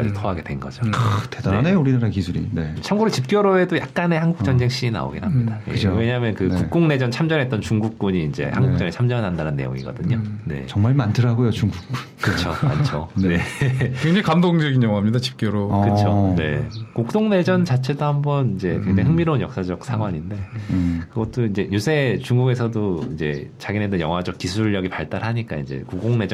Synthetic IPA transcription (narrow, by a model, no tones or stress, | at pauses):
a̰itʰʌɦaɡe̞dwenɡʌ̰d͡ʑoktedanenejouɾinaɾakisʰuɾḭnet͡ɕʰʌmɡuɾot͡ɕip̚k͈jʌɾoe̞dojak̚k͈ane̞hanɡukt͡ɕʌnd͡ʑe̞ŋɕ͈iina̰o̰ɡenɦamɲidaḛwe̞ɲamjʌnkɯkuk̚k͈oŋne̞d͡ʑʌnt͡ɕʰamd͡ʑʌɦe̞t͈̚ʌnt͡ɕuŋɡuk̚k͈uɲiːnd͡ʑe̞̰haŋɡuk̚t͡ɕ͈ʌŋet͡ɕʰamd͡ʑʌɦandanɯnːejo̰ŋḭɡʌ̰dɯɲone̞̰t͡ɕʌŋmaɭmantʰɯɾaɡojot͡ɕuŋɡuk̚ | kɯt͡ɕʰoma̰nt͡ɕʰone̞keŋd͡ʑeikamdoŋd͡ʑʌɡinjʌŋuɦamɲidat͡ɕi̥p̚k͈joɾokɯt͡ɕʰone̞̰kok̚t͈oŋne̞d͡ʑʌnt͡ɕat͡ɕʰe̞dohambʌnind͡ʑe̞kweŋd͡ʑaɦɯŋmiɾonjʌ̰k̚s͈ad͡ʑʌk̚s͈ʰaɡwaɲinde̞kɯɡʌt̚t͈oind͡ʑe̞jusʰe̞t͡ɕuŋɡuɡe̞sʰʌdoind͡ʑe̞̰t͡ɕaɡine̞dojʌ̰ŋɦwad͡ʑʌk͈̚isʰuɭːʌɡipaɭt͈aɾɦaɲik͈a̰ind͡ʑe̞̰kuk̚k͈oŋne̞d͡ʑʌ